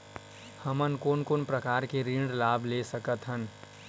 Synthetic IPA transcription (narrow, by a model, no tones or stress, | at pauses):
həmənkoːnkoːnpɾəkaːɾkeɾĩːɳɖlaːbʱlesəkət̪ɦən